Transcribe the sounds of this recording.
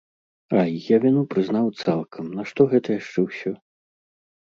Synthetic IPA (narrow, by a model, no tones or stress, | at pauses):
ajjavʲinupɾɨzn̪awt̪salˠkʰɐmnɐʂt̪ɔɣɛt̪ɐjaʂt͡ʂɛwsʲɔ